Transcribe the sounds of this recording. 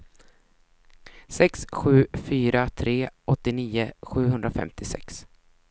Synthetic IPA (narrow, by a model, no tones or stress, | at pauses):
sɛksɧʉ̟ːfyːɾat̪ʰɾeːɔt̪ːɪniːʊɧʉ̟ːɦɵnd̪ɾafɛ̰mt̪ʰɪsɛ̰ks